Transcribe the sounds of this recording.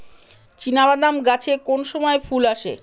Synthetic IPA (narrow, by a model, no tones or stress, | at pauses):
t͡ɕinabad̪amɡat͡ɕʰekonʃɔmɔefʰulaʃḛ